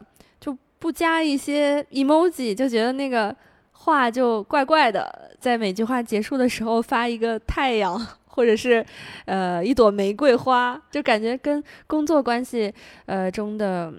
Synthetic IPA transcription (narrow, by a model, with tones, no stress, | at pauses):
t͡ɕjo˥˧ʊ | pu˥˩t͡ɕja˥i˥˩ɕjɛ˥i˥˩mo˥ʊt͡ɕi˨˩t͡ɕjo˥˩ʊt͡ɕɥɛ˧˥d̪ə˧na˥˩ɡə˩ | xwa˥˧t͡ɕjo˥˧ʊkwa˥˧ɪkwa˥˩ɪd̪ə̰˩t͡sa˥˩ɪme˨˩ɪt͡ɕy˥˧xwa˥˩t͡ɕjɛ˧˥ʂu˥˩d̪ə˩ʂɻ̩˧˥xo˧ʊfa˥i˧˥ɡə˧t̪ʰa˥˩ɪjɑ˨˩˦ŋxwɔ˥˩ʈ͡ʂɤ˨˩ʂɻ̩˥˧ə˧i˥˩t̪wɔ˨˩me˧˥ɪkwe˥˩ɪxwa˥t͡ɕjo˥˩ʊka˨˩nt͡ɕɥɛ˧˥kə˥nkʊ˥ŋt͡swɔ˥˩kwa˥nɕi˨˩ə˧ʈ͡ʂʊ˥ŋd̪ə˨˩